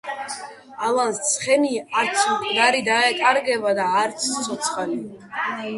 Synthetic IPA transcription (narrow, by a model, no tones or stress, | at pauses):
alˠanst̪sʰχɛniaɾt̪sʰd̪aɾid̪aɛt̪ʼaɾɡɛbad̪aːɾt̪sʰt̪sʰɔt̪sʰχali